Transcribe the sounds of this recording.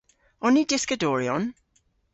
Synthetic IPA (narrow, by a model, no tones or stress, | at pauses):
ɔnidɪskədɔːɹiɔn